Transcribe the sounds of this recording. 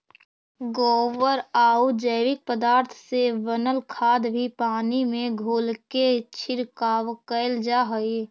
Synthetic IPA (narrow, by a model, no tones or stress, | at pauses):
ɡoːʋəɾaːud͡ʒəɪʋɪk̚pəd̪aːɾt̪ʰseʋənəlkʰaːd̪bʱipaːnimẽɡʱoːlket͡ʃʰɪɾkaːʋkəld͡ʒaːɦə